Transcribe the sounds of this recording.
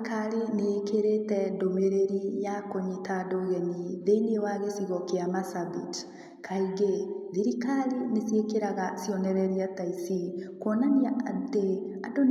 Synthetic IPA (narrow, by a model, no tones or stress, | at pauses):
kaɾeneːkeɾetɛdomeɾeɾijakoɲetadoɣɛniðeinewaɣesiɣɔkeamasabit | kʰaiɣeðiɾikaɾinesiekeɾaɣasiɔnɛɾɛɾiataisikwɔnaniaadte | adon